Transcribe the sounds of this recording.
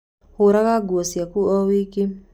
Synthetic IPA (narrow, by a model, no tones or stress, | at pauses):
huɾaɣaɡwɔsjakuɔwiki